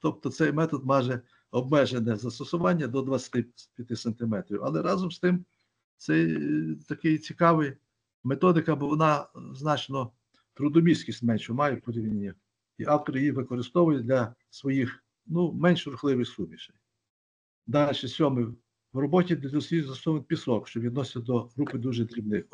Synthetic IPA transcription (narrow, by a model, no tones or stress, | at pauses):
t̪ɔp̚t̪ɔsɛjmɛt̪ɔd̪mɑʒɛ | ɔbmɛʒenɛzɐst̪ɔsʊʋɑnʲːɐd̪ɔd̪ʋɐt͡sʲɐ̥t̪ɪpʲjɐt̪ɪsɐnt̪ɪmɛt̪ɾʲiwɐ̰lˠɛɾɑzɔmst̪ɪm | sɛjt̪ɐkɪjt͡sʲikɑʋɪj | met̪ɔd̪ɪkɐbɔʋɔnɑznɑt͡ʃnɔ | t̪ɾʊd̪ɔmʲisʲkʲisʲtʲmɛnʲʃʊmɑjʊpɔɾʲiʋnʲenʲːɐ | iʔɑwt̪ɔɾɪjiʋɪkɔɾɪst̪ɔʋʊjʊd̪lʲɐ | sʋɔjix | numɛnʲʃɾʊxlˠɪʋɪxsumʲiʃɛj | d̪ɑɛt͡ʃesʲɔmɪw | wrɔbɔtʲid̪ʲɔsʲijzɐsɔʋenpʲisɔkʃt͡ʃɔʋʲid̪nɔsʲt͡sʲɐd̪ɔɦɾupɪd̪uʒɛd̪ɾʲibnɪx